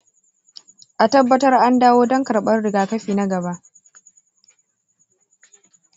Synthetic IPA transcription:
ʔa˨tɐ˦bːɐ˦tɐ˦rʔa˦ndaː˦woː˦dɔ˦ŋkɐ˨rɓɐ˦rɽɪ˨ɡaː˨kɐ˦ɸiː˨na˦ɡɐ˨ba˦ʔ

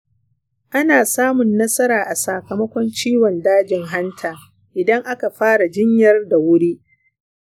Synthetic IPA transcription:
ʔa˦naː˨saː˦mʊ˨nːɐ˦sɐ˦ɾaː˨ʔa˨saː˨kɐ˨mɐ˦kʷɔ˦nt͡ʃiː˦wɔ˨ndaː˦d͡ʒɪ˨ŋɦa˦ntʰaː˨ | ʔɪ˨dɐ˦ŋʔa˦ka˨ɸaː˦ɽa˨d͡ʒɪ˦ɲjɐ˦rda˨wʊ˦ɽiː˦

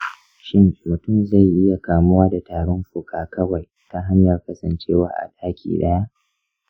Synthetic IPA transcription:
ʃɪ˦nt͡ʃʼoː˨tʊ˦mza˦˨jʔɪ˦ja˨kaː˨mʊ˦waː˦da˨taː˨ɽɔ˦mɸʊ˨kʰaː˨kʰɐ˦wa˨j | ta˦ɦa˦ɲjɐ˨rkɐ˦sɐ˨nt͡ʃeː˦waː˦ʔa̰˨ɗaː˦kʲʰḭː˨ɗɐ˦ja˦ʔ

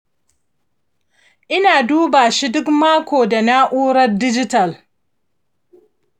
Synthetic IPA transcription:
ʔɪ˦naː˨duː˦baː˨ʃi˦dʊ˦kmaː˦kʷoː˨da˨na˦ʔuː˦ɾɐ˦rdɪ˦d͡ʒɪ˦tɐ˨l

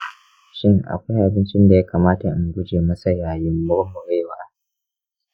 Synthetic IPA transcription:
ʃɪ˦ŋʔa̰˨kʷa˦jʔa˨bɪ˦nt͡ʃɪ˦nda˨jaː˦kaː˨maː˦ta˨ʔɪ˨ŋɡʷʊ˦d͡ʒeː˨mɐ˦sa˨jaː˨jɪ˦mːʊ˦ɽmʊ˨ɽeː˦waː˦

